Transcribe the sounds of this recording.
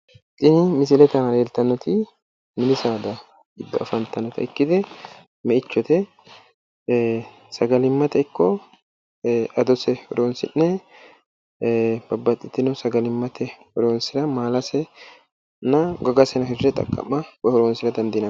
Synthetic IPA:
t̪ʼɪnɪmɪs̬ɪlɛt̪ɐnɐɾeːlt̪ɐnːɔt̪ɪ | mɪnɪsaːd̪ɐ | ɪd̪ːɐɐ̰fɐnt̪ɐnːɔt̪ʰɐ̰ɪkːɪd̪ɛ | mɛɪt͡ʃːɔt̪ɛ | sɐɡɐlɪmːɐt̪ɛɪkːɔ | ʔɐd̪ɔsɛhɔɾoːnsɪnːɛ | bɐbːɐt̪ʼːɪt̪ːɪnʊsɐɡɐlɪmːɐt̪ʰɛhɔɾoːnsɪɾɐmaːlɐsɛ | nɐɡɔɡɐsɛnɐɦɪrɛt̪ʼɐ̰kʼːɐ̰mːɐwɐhɔɾoːnsɪɾɐd̪ɐnd̪inɐ

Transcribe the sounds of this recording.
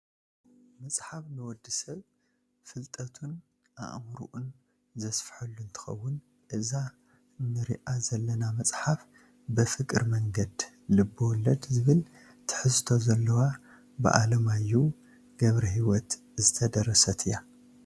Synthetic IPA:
mɐsʼħafnɨwɔd̪ːɨsɐβ | fɨlt̪ʼɐt̪ʰun | ʔa̰ʔmɾṵʔun | zɐsfħɨlːunt̪ʰɨ̥xɐ̰wːʊn | ʔɨza | nɨɾiʔazɐlːɐnamɐt͡sʼħaf | bɨfɨkʼɨɾmɐŋɡɐd̪ | lɨbːɨwɔlːɐd̪zɨβɨl | t̪ʰɨ̥ħɨst̪ʰo̞zɐlːɐwa | bɨ̰ʔa̰lɐmajːu | ɡɐβɾiɦiwɔt̪ | zɨt̪ʰɐd̪ɐɾɐsɐt̪ʰɨja

